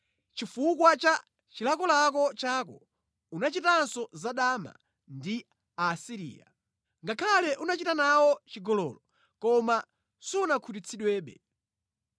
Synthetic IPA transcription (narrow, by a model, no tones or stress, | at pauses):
t͡ʃifuk̬wat͡ʃa | t͡ʃilakɔlakɔt͡ʃaːkɔ | unat͡ʃitansɔzaɗaːma̰ | ndi | asiɾḭːja̰ | ŋɡakʰalɛʔunat͡ʃitanawɔt͡ʃiɡɔlɔ̰lɔ | kɔma | sɔunakʰut̬it͡sʰiɗwɛːɓɛ̰